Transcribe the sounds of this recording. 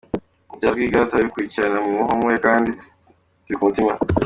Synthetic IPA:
uɟaɾɡiːɡatoaβikwiːcianamumuɦomwekaːndi | tiɾikumutima

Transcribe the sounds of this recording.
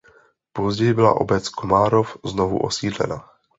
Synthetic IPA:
pozɟɛjɪbɪla̰ʔo̰bɛt͡skomaːɾofznovṵʔo̰siːdlɛ̰na

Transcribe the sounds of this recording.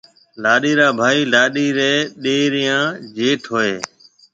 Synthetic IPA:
laːɗiːɾaːbʱaːiːlaːɗiːɾeːɗeːɾɪjãːd͡ʒeːʈʰɦoːeː

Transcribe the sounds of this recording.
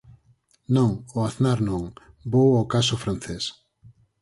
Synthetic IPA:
nõŋʊaθnaɾnõŋ | bowawkasʊfɾanθes

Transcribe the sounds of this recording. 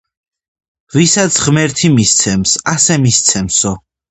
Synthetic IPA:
visat̪sʰʁmɛɾt̪ʰimist̪sʰɛmsasɛmist̪sʰɛmsɔ

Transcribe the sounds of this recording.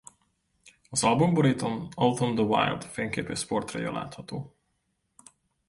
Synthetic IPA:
ɒzɒlbomboɾit̪onɔlt̪ond̪əwa̰jld̪̥feːŋkeːpøːsport̪rɒ̰jo̰la̰ːt̪hɒt̪oː

